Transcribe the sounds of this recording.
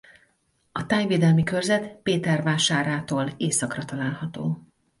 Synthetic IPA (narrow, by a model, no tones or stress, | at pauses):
ɒt̪aːɲveːd̪ɛlmikø̞rzɛt̪peːt̪ɛrvaːʃaːɾaːt̪oːleːsɒkrɒt̪ɒlaːlhɒt̪oː